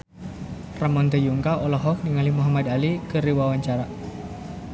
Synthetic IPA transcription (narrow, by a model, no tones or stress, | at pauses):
ramɔnt̪əjuŋkaɔlɔɦɔk̚niŋalimuɦamad̪alikəɾiwawaɲt͡ʃaɾa